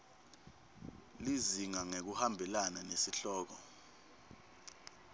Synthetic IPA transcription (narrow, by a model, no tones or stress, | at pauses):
liziŋaŋek̬uhambʱɛlananesiɬɔːk̬ɔ